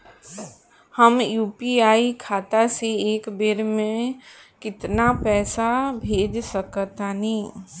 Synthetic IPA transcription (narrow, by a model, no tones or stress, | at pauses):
həmjuːpiaːikʰaːt̪aseeːkbeɾmẽkɪt̪napɛːsabʱeːd͡ʒsəkət̪anĩː